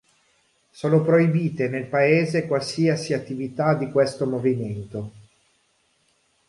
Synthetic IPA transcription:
soːnopɾojbiːt̪enelpaeːzekwalsiasiat̪ːivit̪ad̪ikwest̪omoviment̪o

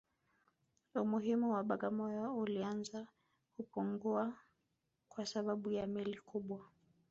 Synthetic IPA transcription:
umuɦimuwaɓaɠamɔjɔulianza | kupuŋɡua | kwasaɓaɓujamilikʰuɓwa

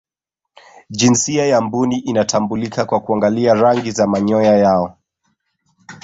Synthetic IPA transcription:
d͡ʒinsiajambuniʔinatambulikakwakuaŋɡaliaɾaŋɡizamaɲɔjajaɔ

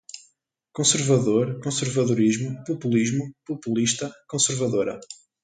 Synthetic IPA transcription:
kõsɨɾvɐðoɾkõsɨɾvɐðuɾiʒmupupulˠiʒmupupulˠiʃt̪ɐkõsɨɾvɐðoɾɐ̰

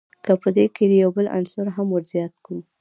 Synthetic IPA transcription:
kəpəd̪ekʰed̪əjawbəla̰nsʊɾɦamwəɾzjɑt̪̚kɽu

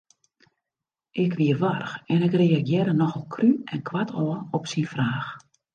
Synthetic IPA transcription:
ʔɪkʋiərʋarxɛnɪkreaɡjɪɾənɔxɔlˠkʰryɛnkʰwatʰɔəɔpsinfraːx

